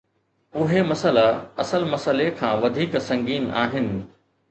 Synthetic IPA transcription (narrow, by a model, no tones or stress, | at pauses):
ʊɦemɐsəlaɐsəlmɐsəlekʰãːʋɐd̪ʱiːksɐ̃ŋɡiːna̰ːɦɪnɪ̆